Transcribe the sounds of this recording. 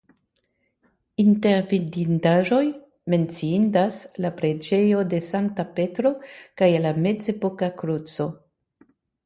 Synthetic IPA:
inte̞ɾvidindaʒo̞j | me̞nt͡siindaslapɾe̞d͡ʒe̞jo̞de̞saŋk̚tape̞tɾo̞kajlame̞d͡zepo̞kakɾut͡so̞

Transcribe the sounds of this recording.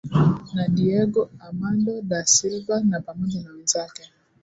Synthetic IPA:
naɗiɛɡɔamandɔɗasilvanapamɔʄanawɛnzakɛ

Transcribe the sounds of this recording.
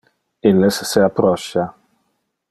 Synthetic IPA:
ilːesːeapːɾɔʃːa

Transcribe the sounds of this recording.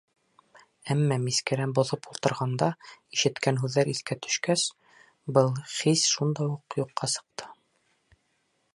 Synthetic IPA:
æmːæmiskɘ̆ɾænbŏðɤpulˠt̪ɤ̆ɾʁɑnd̪ɑiʃɘ̆t̪kænɦʉðːæɾiθkæt̪ɵ̥̆ʃkæs | bɤlˠχisʃund̪ɑjuqjuqːɑsɤ̥̆q̚t̪ʰɤ̥

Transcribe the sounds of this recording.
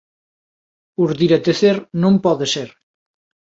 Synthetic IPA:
uɾðiɾet̪eθeɾnõmpɔðeseɾ

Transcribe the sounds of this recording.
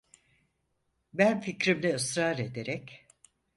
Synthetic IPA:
bænficɾimlʲɛɯsɾaːɾe̞d̪e̞ɾɛc

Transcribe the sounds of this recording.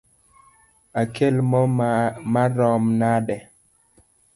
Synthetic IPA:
akʰelmɔmaɾɔmnadɛ

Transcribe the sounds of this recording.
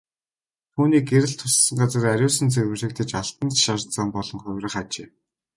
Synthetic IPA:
t̪ʰuːniːk̚eɾɘ̆ɬt̪ʰʊsːə̆ŋɢat͡sə̆ræɾʲʊːsə̆nt͡sewɘ̆rɮɘ̆kt̪ʰɘ̆t͡ɕaɬt̪ə̆nt̪ʃart͡saːmpɔɮɞ̆ŋχʊwʲrə̆χat͡ɕeː

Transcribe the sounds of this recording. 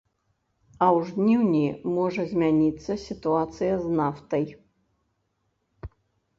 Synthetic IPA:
ɐwʐd̪nʲiwnʲimɔʐɐzʲmʲanʲit̪sːɐsʲit̪uat̪sɨjɐznaft̪ɐj

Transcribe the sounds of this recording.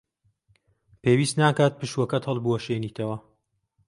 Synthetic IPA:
peːwiːst̪naːkaːt̪̚pɨʃwɐkɐt̪hɐlˠbuwɐʃeːniːt̪ʰɐwɐ

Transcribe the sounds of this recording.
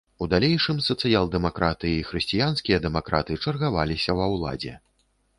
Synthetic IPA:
ud̪alʲejʂɨmsɐt̪sɨjalˠd̪ɛmakɾat̪ɨjixɾɨsʲt͡sʲijanskʲijɐd̪ɛmakɾa̰t̪ɨt͡ʂɐrɣavalʲisʲɐwɐwlˠa̰d͡zʲɛ̰

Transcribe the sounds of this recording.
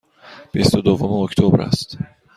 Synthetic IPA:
b̥ist̪od̪ovomeoct̪ʰobɾæ̰st̪

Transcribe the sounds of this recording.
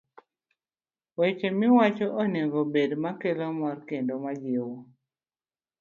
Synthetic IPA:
wet͡ʃemɪwat͡ʃɔʔoneŋɡobedmakelɔmɔrkendomad͡ʒewo

